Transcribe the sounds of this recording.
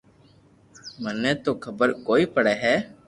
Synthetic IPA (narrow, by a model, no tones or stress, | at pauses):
mənẽːt̪oːkʰəbəɾkoːiːpəɽɛːɦɛː